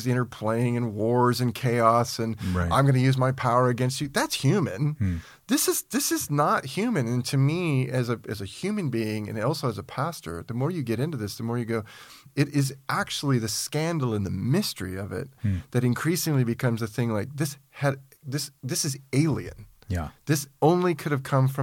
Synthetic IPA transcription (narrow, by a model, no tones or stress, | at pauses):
zɪ̃ɾ̃ə˞pʰl̥ẽɪɪ̃ŋɨ̃nwɔɹzɨ̃nkʰeɪɑsɨ̃nʔã̰ɪ̃mɡʌñɨjʉzmaɪpʰaʊə˞ɨɡɛ̃ns̬t͡ʃɨðætshjʉmɨ̰̃n | ðɪsɨzðɪsɨznət̚hjʉmɨ̃nɨ̃ntʰɨmiɨzɨɨzɨhjʉmɨ̃nbiɪ̃ŋɨ̰̃nɔlˠsoʊɨzəpʰæstə̰˞ðɨmɔɹjɨɡɛɾɪ̃ntʉðɪsðɨmɔɹjɨɡoʊ | ɨɾɪzʔæk̚t͡ʃul̩ˠiðɨskæ̃ndˡl̩ˠə̃nðɨmɪstə˞iʌvɪ̰t̪̚ðɨɾɨ̃nkʰɹ̥isɪ̃ŋlibɨkʰʌ̃mzɨθɪ̃ŋlaɪk̚ðɪshɨɾ | ðɪsðɪsɨzeɪlˠḭɨ̰̃n | jðɪsõʊ̃nlikʰʊɾɨv̥kʰʌ̃ɱfɹʌ̃